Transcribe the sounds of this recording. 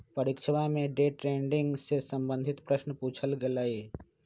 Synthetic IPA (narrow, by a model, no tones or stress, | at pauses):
pəɾɪkʃəʋamẽɖeːʈɾeːɳɖɪ̃ŋɡsesəmbə̃nd̪ʱɪt̪pɾəʃnəpuːt͡ʃʰəlɡelae